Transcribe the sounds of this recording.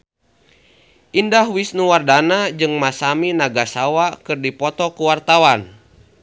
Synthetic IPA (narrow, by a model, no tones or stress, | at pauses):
ʔindahwisnuwardanad͡ʒɨŋmasaminaɡasawakɨrdipɔt̪ɔkuwart̪awan